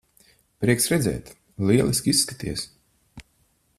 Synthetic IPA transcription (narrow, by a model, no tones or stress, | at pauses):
pɾiɛksɾɛd̪zɛ̰ːt̪ | lʲˠiɛlˠisʲkʲisːkat̪iɛs